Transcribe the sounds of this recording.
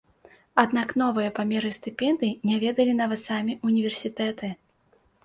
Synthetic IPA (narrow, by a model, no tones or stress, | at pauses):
ad̪naknɔvɨjɐpamʲɛɾɨsʲt̪ɨpʲɛnd̪ɨinʲavʲɛd̪ɐlʲinavɐt̪samʲiʔunʲivʲɛrsʲit̪ɛt̪ɨ